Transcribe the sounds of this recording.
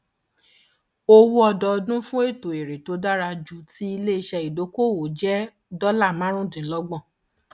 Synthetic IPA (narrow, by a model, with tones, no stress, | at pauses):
o˦wu˦ɔ˧dɔ˧dũ˦fũ˦e˦˨to˨e˨ɾe˨to˨˦da˦ɾa˧d͡ʒu˨ti˦i˧le˦i˧ʃɛ˧i˨do˨˦ko˦˨wo˨d͡ʒɛ˦ | dɔ˦la˦˨mã˨˦ɾ̃ũ˦dĩ˨lɔ˧˦ɡ͡bɔ̃˦˨